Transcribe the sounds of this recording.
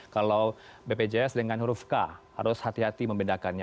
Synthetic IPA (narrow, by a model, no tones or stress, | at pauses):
kalawbeped͡ʒeɛsdəŋanhuɾufkaha̰ɾʊshat̪iɦat̪iməmbindakanɲa